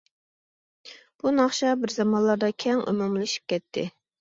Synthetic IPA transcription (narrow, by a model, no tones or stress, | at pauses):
b̥unɑχʃɑbɪɾzɑmɑnlˠɑɾd̪ɑkʲʰɛŋy̰mumlɪʃi̥p̚kʲɛt̪ʰːɪ